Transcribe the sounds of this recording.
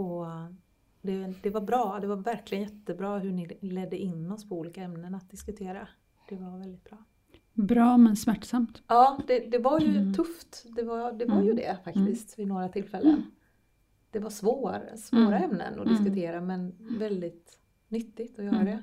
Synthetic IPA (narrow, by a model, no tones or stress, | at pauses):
ɔ | d̪ɛd̪ɛvaɾbɾɑːd̪ɛvaɾvæɾklɪɡənjɛt̪ːəbɾɑːɦɵɳɪlɛd̪ːəʔɪnːɔspʰɔuːliːkaɛmnənat̪̚d̪ɪskɵt̪ʰeːɾa | d̪̥ɛvaɾvɛld̪ɪt̪̚bɾɑː | bɾɑːmɛnsmæʈːsamt̪ɑːd̪ɛd̪ɛvaɾjɵt̪ʰɵft̪d̪ɛvaɾd̪ɛvaɾjɵd̪ɛ̰fak̪t̪ɪst̪vɪnoːɾat̪ʰɪlfɛlːə̰n | d̪̥ɛvaʂvoːɾsvoːɾaɛmnə̰nɔ̰d̪ɪskɵt̪ʰeːɾamɛnvɛld̪ɪt̪ | nʏt̪ːɪt̪ɔjœːɾad̪ɛ